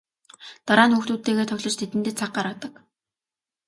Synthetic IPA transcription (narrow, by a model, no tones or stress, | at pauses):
t̪aɾaːnxuxt̪uːt̪ːeːɣeːt̪ʰʊɣʲɮɞ̆t͡ɕt̪ʰet̪ɘ̆nt̪ɘ̆t͡sʰaq̚ɢaɾə̆t̪ə̆k